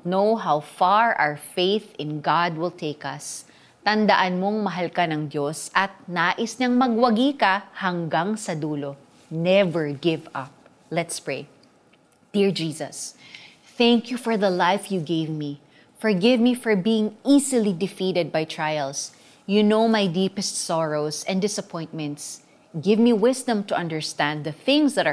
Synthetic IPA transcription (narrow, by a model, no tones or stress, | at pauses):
nowɦawfaɹʔa̰wəɹfejθɪ̃nɡad̪̚wɪlt̪ʰeɪkɐs | t̪ɐnd̪ɐʔanmoŋmɐɦalkɐnɐŋd̪josʔɐt̪̚naːʔɪsɲɐŋmɐɡwɐɡiːkɐhɐŋɡaŋsɐd̪uːlo | nɛvɛɹɡɪvɐp̚ | lɛt̪spɹej | d̪̥iɹd͡ʒiːsɐ̰s | θæŋkjufɔɹðɐlajfjuɡejvmi | fɔɹɡɪvmifɔɹbiːjɪ̃ŋiːsɨlid̪ɪfiɾɛd̪̚bajt̪ʰɹajɛls | junowmajd̪iːpɛst̪sɔɹowsɛ̃nd̪ɪsɐpʰɔ̃j̃nt̪mɛ̃nt̪s | ɡɪvmiwɪsd̪ɐ̃mt̪ʊʔɐ̃nd̪əɹst̪æ̃nd̪̚ðɐθɪ̃ŋsd̪ɐt̪